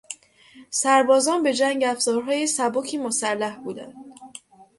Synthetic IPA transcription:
sæɾbɒːzɒːnbe̞d͡ʒæŋɟæfz̥ɒːɾɦɒːjesæbocʰiːmosælːæhbuːd̪æ̰nd̪̥̚

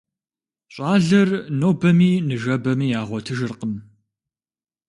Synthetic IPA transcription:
ɕʼaːɮɐrnoːbɐmiːnɨʒɐbɐmiːjaːʁʷɔtʰɨʒɨrqəm

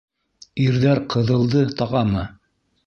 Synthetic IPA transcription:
iɾðæɾqʰɤ̆ðɤ̆lˠd̪ɤt̪ɑʁɑmɤ

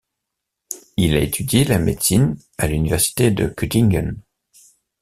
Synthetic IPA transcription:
ilaet̪ʰyd̪jelamed̪sin | alynivɛʁsi̥t̪ed̪ə̰kyt̪iŋɡɔ̰n

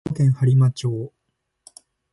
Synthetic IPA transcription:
kẽ̞ɰ̃haɾʲimat͡ɕoː

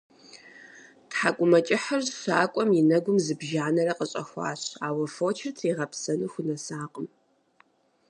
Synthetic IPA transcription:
tħakʷʼʊmɐt͡ʃʼɪħɐrsaːkʷʼɔmjɪnɐɡʷʊmzɨbʒaːnɐrɐqʼəɕʼɐ̰xʷɑ̰ːɕaːwɐfoːt͡ʃʰɪrtʰiːʁɐpsɐnuxʷʊnɐsaːqʼəm

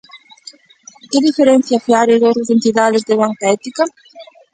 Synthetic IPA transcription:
kɪðifeɾen̟θjafeaɾeðot̪zent̪iðaðɪzd̪eβaŋkaɛt̪ikɐ

